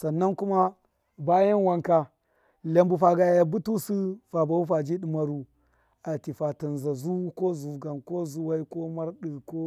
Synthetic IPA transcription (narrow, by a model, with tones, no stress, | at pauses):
sa˨nːa˦nku˦ma˦ | ba˦ja˦nwa˦ŋka˨ | la˨mbu˨fa˨ɡa˨jja˨bu˦tu˦si˦fa˨ba˨wu˦fa˨d͡ʒi˦ɗi˨ma˨ɾu˨ | a˨ti˨fa˨ta˨nza˨zu˦ko˦zu˨ɡa˨nko˦zu˦wa˦i˦ko˦ma˦ɾɗi˨ko˦